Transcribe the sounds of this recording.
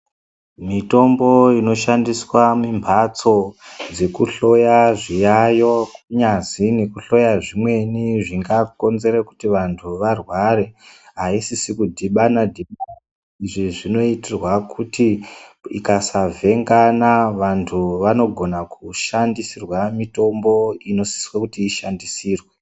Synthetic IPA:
mito̞mbo̞ino̞ʃandiswamimbʰʱat͡so̞d͡ze̞kuɬo̞jaʐijajo̞kuɲazine̞kuɬo̞jaʐimwe̞niʐiŋɡako̞nze̞ɾeku̥tiʋantʰuʋarwaɾe̞ɦaisisikudʱiɓanadʱiɓa | iʐiʐino̞itirwakʰutiḭkasavʱe̞ŋɡanaʋantʰuʋano̞ɡʱo̞nakuʃandisirwamito̞mbo̞ino̞si̥swakutiːʃandisiːrwe

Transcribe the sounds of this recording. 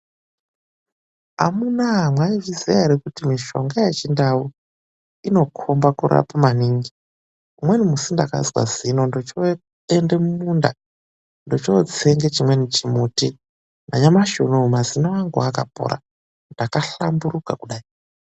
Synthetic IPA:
a̰munaɦamwaivizieɾekutimiʃo̞̰ŋɡaje̞t͡ʃindau | ino̞kʰo̞mbakuɾa̰pamaniːŋɡi | umwe̞nimusindaka̰zwa̰zino̞ndot͡ʃo | ende̞mumunda̰ | ndot͡ʃot͡seŋɡet͡ʃimwe̞nit͡ʃimuːti | na̰ɲamaʃonumazinawaŋɡuakapo̰ɾa̰ | ndakaɬa̰mburukakuɗaːi

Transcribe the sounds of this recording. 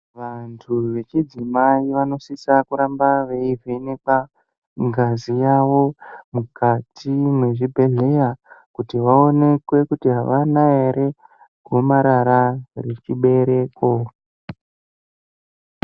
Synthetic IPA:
ʋantʰuʋe̞t͡ʃid͡zimaiʋano̞sisakuɾambaʋe̞ivenepa | ŋɡazijaʋo̞mukatʰimwe̞ʐibʱe̞ɮe̞jakutiʋao̞ne̞kwe̞kutiɦaʋanaeɾe̞ | ɡʱo̞maɾaɾaret͡ʃiɓe̞ɾe̞ko

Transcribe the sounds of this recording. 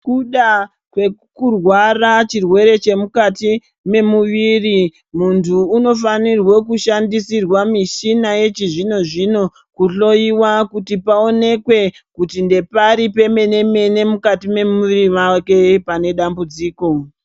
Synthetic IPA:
kuɗa | kwe̞ | kurwarat͡ʃirwe̞ɾe̞t͡ʃe̞mukati | me̞muʋiːri | muntʰuːno̞fanirwo̞kuʃandisirwamiʃinaje̞t͡ʃiʐino̞ʐino̞ | kuɬo̞iwakutipao̞ne̞kwe̞ | kutinde̞paɾipe̞me̞ne̞me̞ne̞mukatime̞muʋiɾiʋake̞pane̞ɗambud͡ziːko̞

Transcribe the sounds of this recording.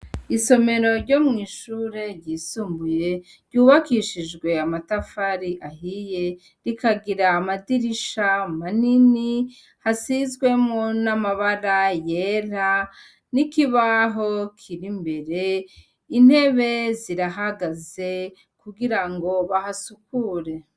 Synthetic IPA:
iso̞me̞ɾo̞ɾɟo̞mŋiːʃuːɾe̞ɾɟiːsuːmbuje̞ | ɾɟuːβakiʃid͡ʒɡwe̞amatafaɾiʔahije̞ | ɾikaɡiɾaːmadiɾiʃamanini | hasizɡwe̞mŋo̞namaβaɾaje̞ɾa | nikiβaɦo̞kʰiɾimbe̞ɾe̞ | in̥he̞βe̞ziɾaɦaɡaze̞ | kuɡiɾaŋɡo̞βahasukuɾe̞

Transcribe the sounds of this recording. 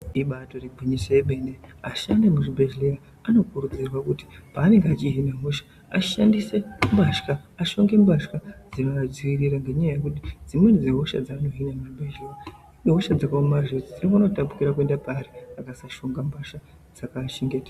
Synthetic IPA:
iɓato̞riɡʱwiɲisojeɓe̞ndeaʃandemuʐibʱeʒlea | ano̞kurud͡zirwakuti̥paːne̞ŋɡeat͡ʃiɦinaɦuʃḁ | aʃandise̞mbaʃkaaʃo̞ŋɡe̞mbaʃkad͡zinoad͡ziʋiriɾaŋɡe̞ɲajaje̞kutid͡zimwenid͡ziɦoʃa̰d͡zaːno̞ɦinamuibʱeʒlea | ɦoʃad͡zakaomaʒed͡zid͡ziɡano̞tapu̥kiɾakue̞ndapaːɾiakasaʃo̞ŋɡambaʃa | d͡zakaʃeŋɡeta

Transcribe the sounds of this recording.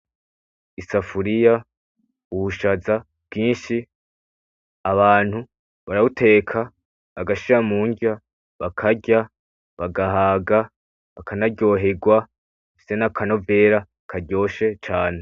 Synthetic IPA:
isafuɾija | uβuʃaza | v̥ɡiːnʃi | aβaːn̥hu | βaɾaβutʰe̞ːkʰa | βaɡaʃiɾamuːɲɟa | βakʰaɟa | βaɡaɦaːɡa | βakʰanaɟo̞ːɦe̞ɡwa | efi̥se̞nakʰano̞ve̞ːɾa | kʰaɾɟo̞ːʃe̞t͡ʃaːne̞

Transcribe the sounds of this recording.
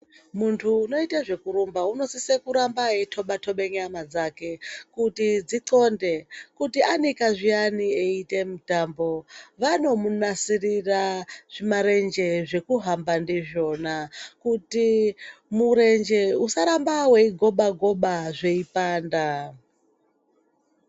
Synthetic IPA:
muntʰuːno̞itaʐe̞kuɾumbauno̞sisekuɾambaɦetʰo̞ɓatʰo̞ɓe̞ŋɡeamad͡zake̞kutid͡ziǀo̞nde̞kutianikaʐianieite̞mutambo̞ʋano̞munasiriraʐ̥imaɾe̞nd͡ʒe̞ʐe̞kuɦambandiʐo̞nakutimuɾend͡ʒe̞usaɾambaweiɡʱo̞ɓaɡʱo̞ɓaʐe̞ipaːnda

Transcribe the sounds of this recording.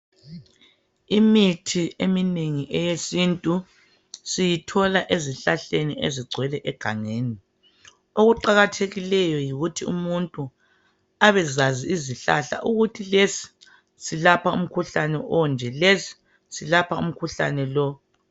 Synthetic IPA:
imitʰiemineŋiʔɛjesintʼu | sijitʰɔlaʔeziɬaɬenieziɡ͡ǀʱwɛlɛʔɛɡ̥ʱaŋeːni | oɣuǃaɣatʰeɣilɛjɔjiɣutʰiṵmuntʼu | aβɛzaziːziɬa̰ɬa̰ʔuɣutʰilesi̥ | silapʰaṵm̩kʰuɬanɛʔɔnd͡ʒʱɛlesi̥ | silapʰaṵm̩kʰuɬa̰nɛlɔ

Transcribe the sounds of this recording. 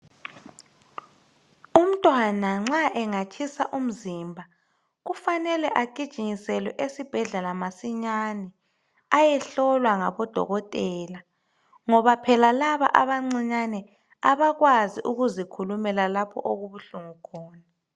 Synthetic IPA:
um̩tʼwanaŋ͡ǁaʔɛŋat͡ʃʰisaʔum̩zimbʱa | ɣufanɛlɛʔaɡ̥ʱid̥ʒ̥ʱiɲisɛlwɛʔesib̥ʱɛɮɛlamasiɲanɛ | ajɛɬɔlwaŋa̰βɔd̥ʱɔ̰ɣɔtʼɛːla | ŋɔβapʰɛlalaβa̰ʔa̰βaŋ͡ǀiɲanɛ | aβaɣwaziʔuɣuzikʰulumɛlalapʰɔ̰ʔoɣuβuɬuŋukʰɔːna

